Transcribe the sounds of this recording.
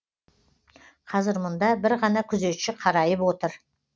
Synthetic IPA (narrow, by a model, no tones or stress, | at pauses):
qʰɑzɪɾmʊnd̪ɑbɪɾʁɑnɑkʲʰʏze̞t̪ʃɪqʰɑɾɑjəpwo̞t̪əɾ